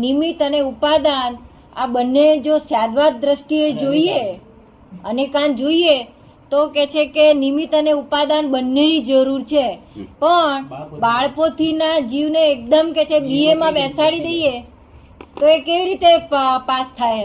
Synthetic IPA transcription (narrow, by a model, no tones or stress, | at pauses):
nimit̪əneupad̪an | abənːed͡ʒosjad̪ʋad̪̚ːɾəʃʈied͡ʒoie | ənekãnd͡ʒoie | t̪okɛt͡ʃʰekenimit̪əneupad̪anbənːeɾid͡ʒəɾuɾt͡ʃʰepəɳbaɭkot̪ʰinad͡ʒiʋneːk̚d̪əmket͡ʃʰebiemãbɛsaɽid̪əie | t̪oekeʋiɾit̪epast̪ʰaj